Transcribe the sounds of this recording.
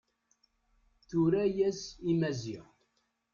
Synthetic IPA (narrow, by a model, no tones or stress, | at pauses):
θuɾæjæsimæziʁ